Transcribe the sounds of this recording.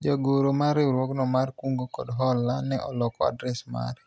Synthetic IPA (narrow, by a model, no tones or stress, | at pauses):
d͡ʒaɡoɾomaɾɪɾwɔknɔmarkuŋɡokɔdɦɔlːanɛʔɔlɔkɔa̰dɾɛsma̰ɾ